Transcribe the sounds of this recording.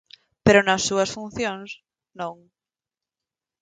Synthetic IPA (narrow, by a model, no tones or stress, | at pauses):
peɾonasːuɐsfun̟θjõŋs | nõŋ